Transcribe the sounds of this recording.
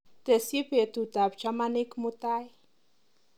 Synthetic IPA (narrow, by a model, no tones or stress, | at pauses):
t̪esipet̪ut̪apt͡ʃamanikmut̪aj